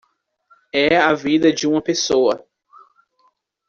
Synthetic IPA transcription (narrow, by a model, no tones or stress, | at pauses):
ɛavid̪ɐd͡ʒɪũmɐpesowɐ